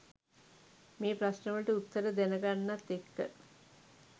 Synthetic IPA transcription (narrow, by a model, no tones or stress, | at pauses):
meːpɾasnəʋəɭʈəut̪ːəɾəd̪enəɡanːat̪ːekːə̰